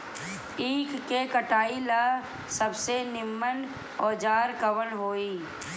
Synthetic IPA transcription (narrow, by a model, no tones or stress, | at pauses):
iːkːekəʈaːila | səbsenɪmːən | ɔːd͡ʒaːɾkəʋəlɦoːiː